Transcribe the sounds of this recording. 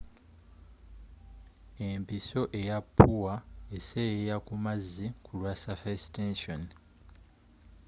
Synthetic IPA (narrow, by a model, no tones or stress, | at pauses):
e̞mpiso̞ʔe̞japʰːuwaesejejakumazːikʰulwasafestenson